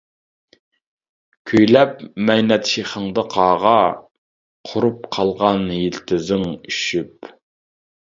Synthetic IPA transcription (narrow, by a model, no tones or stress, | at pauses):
kʲʰøjlɛpmɛjnɛt̪ʃeχəŋd̪ɑqʰɑːʁɑ | qʰʊɾup̚qʰɑlˠʁɑnjilt̪ʰɪzɪŋyʃyp